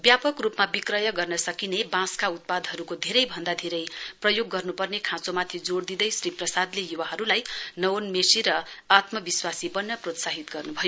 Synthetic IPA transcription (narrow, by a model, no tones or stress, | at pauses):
bjapʌkrupmabikrʌjʌɡʌrnʌsʌkinebãskaut̪̚pad̪ɦʌɾukod̪ʱeɾʌjbʱʌnd̪ad̪ʱeɾʌjprʌjoɡːʌrnupʌrnekʰãt͡somat̪ʰid͡zoɽd̪id̪ʌjsriprʌsad̪lejuwaɦʌɾulajnʌwonmesiɾʌat̪mʌbiswasibʌnːʌprot̪saɦit̪ɡʌrnubʱʌjo